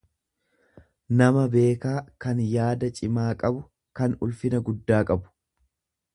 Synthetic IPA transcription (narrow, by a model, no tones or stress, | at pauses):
nɐmɐbe̞ːkaːkɐnjaːd̪ɐt͡ʃʼɪmaːkʼɐbʊ | kɐnʊlfɪnɐɡʊd̪ːaːkʼɐbʊ̥